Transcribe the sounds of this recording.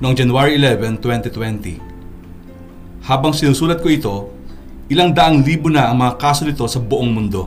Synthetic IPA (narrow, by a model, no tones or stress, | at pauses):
noŋd͡ʒɐnuwaɹiɪlɛvɛnt̪wɛnt̪it̪wɛnt̪ḭ | haːbɐŋsɪnuːsuːlɐt̪̚koɪt̪o̞ | ʔɪlaŋd̪ɐʔaŋliːbʊnɐʔɐŋmɐŋakaːso̞nɪt̪o̞sɐbʊʔoŋmʊnd̪o̞